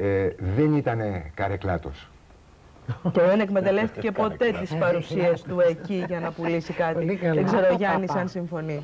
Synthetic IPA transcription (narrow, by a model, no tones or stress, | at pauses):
ðenit̪ɐne̞kɐɾeklɐt̪o̞̰s | ceðe̞ne̞kme̞t̪ɐle̞ft̪i̥ce̞po̞t̪e̞t̪ispɐɾusiɐst̪ue̞ciʝɐnɐpulisikɐt̪iðeɡze̞ɾo̞ʝɐnisɐnsiɱfo̞ni